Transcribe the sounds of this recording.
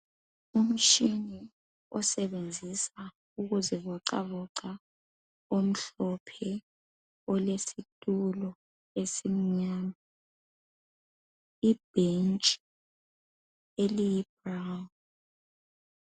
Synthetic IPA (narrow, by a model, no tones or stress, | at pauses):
um̩t͡ʃini | ɔsɛβend͡zʱisa | uɣuzɛβɔǀa̰βɔǁa | om̩ɬɔpʰɛ | ɔlesitʼulɔ | esim̩ɲaːna | ib̥ʱent͡ʃʼi | elijib̥rawn